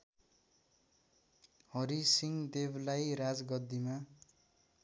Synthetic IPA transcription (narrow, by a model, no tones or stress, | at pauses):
hʌɾisiŋd̪eblajɾad͡zɡʌd̪ːima